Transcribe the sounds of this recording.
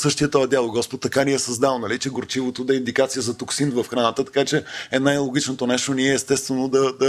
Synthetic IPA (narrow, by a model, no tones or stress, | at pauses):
sɤʃt̪iət̪ɔɛd̪jalˠoɡɔspot̪ːɐkaniɛsɐzd̪alˠnɐlit͡ʃɛɡoɾt͡ʃivot̪od̪ɐind̪ikat̪sijəzɐt̪oksinvɐfxɾanət̪ət̪ɐ̥kat͡ʃɛɛnajlˠoɡ̟it͡ʃnot̪onɛʃt̪oniɛːst̪ɛst̪vɛnod̪ɐd̪ɐ